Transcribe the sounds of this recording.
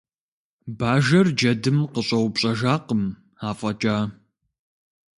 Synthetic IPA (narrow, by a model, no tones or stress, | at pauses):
baːʒɐrd͡ʒɐdɨmqəɕʼɐwpɕʼɐʒaːqəm | aːfʼɐt͡ʃʼaː